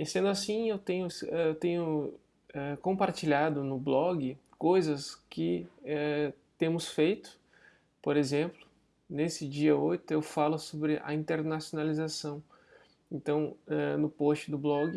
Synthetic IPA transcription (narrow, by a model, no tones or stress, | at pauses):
esẽnd̪ʊasĩewt̪ẽɲʊɛewt̪ẽɲʊ | ɛkõmpaɾt͡ʃiʎad̪ʊnʊblɔɡɪkojzɐskɪɛt̪ẽmʊsfejt̪ʊ̥ | poɾezẽmplʊ | nesɪd͡ʒiɐojt̪ʊewfalʊsobɾɪʔɐ̰ĩnt̪eɾnasjonalizasɐ̃w̃ | ẽnt̪ɐ̃w̃ɛnʊpost͡ʃɪd̪ʊblɔɡɪ